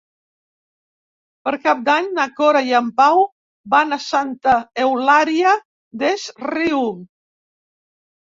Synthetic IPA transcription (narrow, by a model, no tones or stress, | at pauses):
pəɾkap̚d̪aɲnakoɾajampaw | banasant̪aewlaɾia | d̪esrium